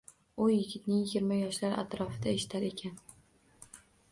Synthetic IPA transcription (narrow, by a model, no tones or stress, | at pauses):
ʊjɪɡʲɪt̪nɪŋɪɡʲɪɾmajɒʃlaɾa̰t̪ɾɒfɪd̪aeʃɪ̥t̪ʰaɾe̞kʲʰan